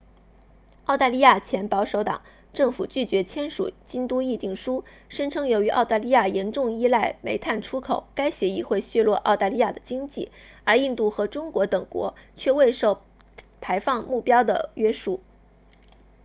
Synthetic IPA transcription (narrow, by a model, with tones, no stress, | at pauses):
ɑ˥˧ʊt̪a˥˧li˥ja˥˩t͡ɕʰjɛ˧˥npɑ˧˥ʊʂo˧˥ʊt̪ɑ̰˨˩˦ŋ | ʈ͡ʂɤ˥˩ŋfu˨˩t͡ɕy˥˩t͡ɕɥɛ˧˥t͡ɕʰjɛ˥nʂṵ˨˩t͡ɕi˥nt̪u˥i˥˧t̪i˥˩ŋʂu˥ | ʂə˥nʈ͡ʂʰɤ˥ŋjo˧˥ʊy˧˥ʔɑ˥˧ʊt̪a˥˧li˥ja˥˩jɛ˧˥nʈ͡ʂʊ˥˧ŋi˥la˥˩ɪme˧˥ɪt̪ʰa˥˩nʈ͡ʂʰu˥kʰo˨˩˦ʊka˥ɪɕjɛ˧˥i˥˧xwe˥˧ɪɕɥɛ˥˧lwɔ˥˧ʔɑ˥˧ʊt̪a˥˧li˥ja˥˩d̪ə˩t͡ɕi˥ŋt͡ɕḭ˥˩ | ə˞˧˥i˥˧nt̪u˥˩xɤ˧˥ʈ͡ʂʊ˥ŋkwɔ˧˥t̪ɤ˨˩ŋkwɔ̰˧˥t͡ɕʰɥɛ˥˧we˥˧ɪʂo˥˩ʊ | pʰa˧˥ɪfɑ˥˧ŋmu˥˩pjɑ˥ʊd̪ə̰˨ɥɛ˥ʂu˥˩